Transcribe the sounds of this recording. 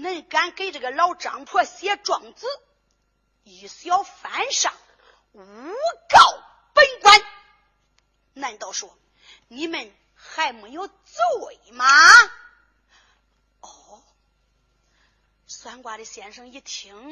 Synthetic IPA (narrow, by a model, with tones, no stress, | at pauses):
nə˥˩nka˥nke˥ɪʈ͡ʂə˥˩ɡə˩lɑ˥ʊʈ͡ʂɑ̰˨˥˦ŋpʰwɔ˥˩ɕjɛ˥ʈ͡ʂwɑ˨˩ŋt͡sɹ̩˥˩ | i˨˩s̩˧˥jɑ˥˧ʊfa˧˥nʂɑ̰˨˩˦ŋ | u˧˥kɑ˥˩ʊ | pə˥nkwa˥n | na˥˩n˨˩t̪ɑ˥˧ʊʂwɔ˥ | ni˧˥mə˧˩n | xa˧˥ɪme˧˥ɪjo˧˥ʊt͡su˥˩e˨˩ɪmɐ˧ | ɔ˧˩ | swa˥nkwa˧˥ɾə˧˩ɕjɛ˧˥nʂɤ˧˥ŋi˥˩t̪ʰi˧˥ŋ